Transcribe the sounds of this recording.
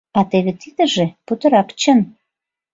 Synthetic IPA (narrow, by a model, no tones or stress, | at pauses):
ɑt̪eβet̪id̪ə̆ʒeput̪ə̆ɾɑpt͡ɕən